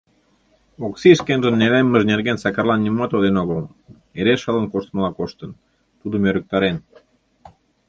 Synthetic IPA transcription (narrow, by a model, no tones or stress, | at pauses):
oksiʃkenʒə̆nːelemːəʒnerɣensɑkɑrlɑnːʲimmɑt̪od̪enoɣəl | eɾeʃələnkoʃt̪məlɑkoʃt̪ə̆n | t̪ud̪əmøɾə̆k̚t̪ɑɾen